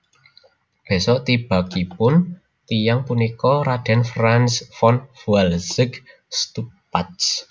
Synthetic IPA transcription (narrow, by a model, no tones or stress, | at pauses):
b̥e̤sɔʔt̪ib̥a̤kipʊn | t̪ijaŋpunikɔɾad̥ɛ̤nfɾansfɔnfualsɪɡ | st̪upat̪s